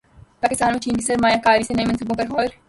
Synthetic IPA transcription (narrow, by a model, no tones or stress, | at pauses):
paːkɪst̪aːnmẽt͡ʃiːnkisɐɾmaːjãkaːɾisenɐĩmɐnsʊbõpɐɾɦoːɾ